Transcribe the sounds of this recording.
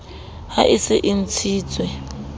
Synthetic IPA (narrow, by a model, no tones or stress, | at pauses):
ha̰ʔisɪʔim̩t͡sʰiːt͡sʼwɛ